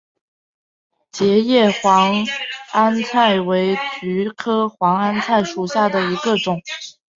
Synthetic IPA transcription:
t͡ɕjɛ˧˥jɛ˥˩xwɑ˧˥ŋa˥nt͡sʰa˥˩ɪwe˧˥ɪt͡ɕy˧˥kʰɤ˥xwɑ˧˥ŋa˥nt͡sʰa˥˩ɪʂu˨˩ɕja˥˩d̪ə˩i˧˥ɡə˧ʈ͡ʂʊ˨˩˦ŋ

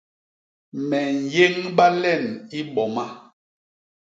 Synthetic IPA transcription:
mɛ˨n̩˨je˦ŋɓa˦lɛ˦˨ni˦ɓɔ˨ma˦

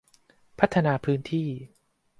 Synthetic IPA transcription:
pʰa˦˥t̪ʰːa˧naː˧pʰɯː˦˥nt̪ʰiː˥˩

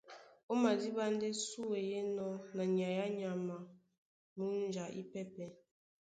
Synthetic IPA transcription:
o˦ma˨di˦ba˦n̩˦de˦su˦e˨je˦nɔ˦na˨ɲ˨a˨ja˦ɲa˨ma˨ | mu˦n̩˦d͡ʒa˨ʔḭ˦pɛ˦pɛ˨

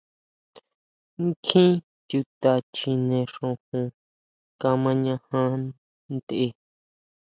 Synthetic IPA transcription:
ŋkʰĩ˦ | t̪ʲu˧t̪a˧t͡ʃi˧nẽ˧ʂõ˧hũ˧ | ka˧mã˧ɲã˧hã˧ | nd̪e˧

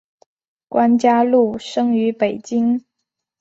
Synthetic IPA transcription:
kwa˥nt͡ɕja˥lu˥˩ʂɤ˥ŋy˧˥pe˨˩ɪt͡ɕi˥ŋ

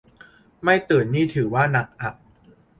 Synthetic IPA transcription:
ma˥˩jt̪ɯː˨˩ənːiː˥˩t̪ʰɯː˩˦waː˥˩na˨˩k̚ʔa˨˩k̚

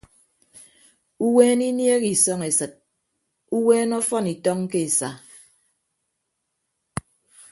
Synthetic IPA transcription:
u˦weː˦ni˦nje˦ki˨sɔ˦ŋe˨sɨ˨t̚ | u˦weː˦nɔ˦fɔ˦ni˨tɔ˦ŋ˦ke˦e˨sa˨

